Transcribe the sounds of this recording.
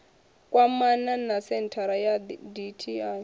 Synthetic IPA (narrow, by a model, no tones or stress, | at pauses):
kʼwamananasɛntʰaɾajaditʰia